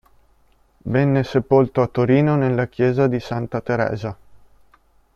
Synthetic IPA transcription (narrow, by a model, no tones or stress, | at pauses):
venːesepolt̪oat̪ːoɾiːnonelːak̟jɛːzad̪isant̪at̪eɾɛ̰ːza